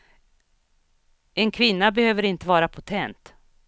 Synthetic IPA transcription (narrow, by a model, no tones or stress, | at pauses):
ɛnkʰvɪnːabɛhøːvəɾɪnt̪əvɑːɾapʰʊt̪ʰɛnt̪